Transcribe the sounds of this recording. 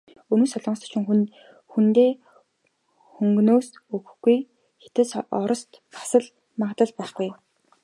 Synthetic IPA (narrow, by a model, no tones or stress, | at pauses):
ɵnŭːsɔɮɞ̆ɴs̆ʰt͡ɕɪ̆ŋxn | xunt̪eː | xɵŋɡnoːsɵɣɵ̆xɡ̥uj | xe̥t̪ɘ̆sɔɾɞ̆st̪ | pḁsə̆ɮ | maʁt̪ə̆ɮpæːχɡuj